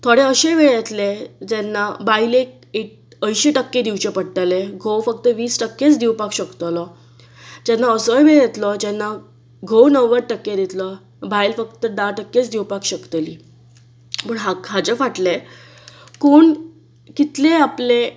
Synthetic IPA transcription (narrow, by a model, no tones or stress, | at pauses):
t̪ʰoɽeəɕeʋeɭjet̪led͡ʑɛnːabailek̚ | ek̚ | əjɕeʈəkːed̪iwt͡ɕepəɽʈaleɡʱowfək̚t̪əʋiːsʈəkːet͡sd̪iwpakɕəkt̪əlɔ | d͡ʑɛnːaəsɔjbeɭjet̪lɔd͡ʑɛnːa | ɡʱownəʋəɾʈəkːed̪et̪lɔ | bajlfəkt̪əd̪aʈəkːet͡sd̪iwpakɕəkt̪əliː | məɳɦaɦad͡ʑefaʈle | koɳ | kit̪leaple